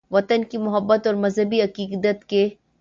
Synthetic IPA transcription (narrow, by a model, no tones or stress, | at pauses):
ʋɐt̪ənkimʊɦəbːət̪ɔːɾmɐzɦəbiɐqiːkd̪ət̪ke